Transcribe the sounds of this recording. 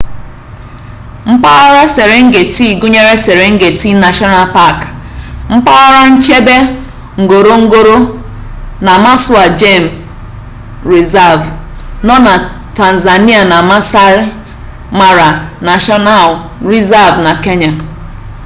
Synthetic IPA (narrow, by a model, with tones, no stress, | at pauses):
m̩˦pa˦ɣa˦ɾa˦se˨ɾe˨ŋ̩˦ɡe˨ti˦˨ɡu˦ɲe˦ɾe˦se˨ɾe˨ŋ̩˦ɡe˨ti˦na˨ʃɔ˦na˦lpa˦˨k | m̩˦pa˦ɣa˦ɾa˦n̩˦t͡ʃe˦be˦ | ŋ̩˨ɡo˨ɾo˦ŋ̩˦ɡo˦ɾo˦ | na˨ma˦sʊ˦a˨d͡ʒe˦˨m̩˨ | ɾi˨za˦˨vnɔ˦na˨ | ta˨n̩˨za˨ni˦a˨na˨ma˦sa˦ɾ | ma˦ɾa˨na˨ʃɔ˦na˦˨l | ɾi˦za˦˨vna˨ke˦ɲa˨